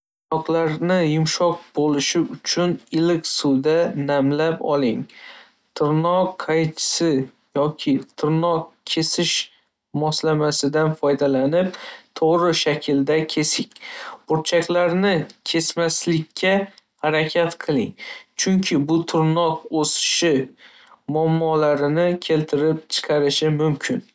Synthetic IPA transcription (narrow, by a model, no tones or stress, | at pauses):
t̪ʊnɒqlˠaɾnɪjʊmʃɒq̚bolɪʃɪʊt͡ʃʰʊnɪlɪkʲsuwd̪anamlapɒ̰lˠɪŋ | t̪ʰʊɾnɒqʰːajt͡ʃʰɪ̥sɪ | jɒkʲʰɪt̪ʰʊɾnɒq̚kʲʰe̞sɪʃ | mɒslamasɪd̪anfɒjd̪alanɪp̚t̪ʰoʁɾɪʃakʲʰɪld̪akʲʰe̞sɪŋʲb̥ʊɾt͡ʃʰakʲlaɾnɪkʲʰe̞smaslɪkʲʰːahaɾakʲʰat̪qʰɨlˠɪŋt͡ʃʰʊŋkʲʰɪbʊt̪ʰʊɾnɒqosɪ̥ʃɪ | mʊamːɒlaɾɪnɪkʲʰe̞lt̪ʰɪɾɪp̚t͡ʃʰɨ̥qʰɑɾɪʃɪmʊmkʲʰɪn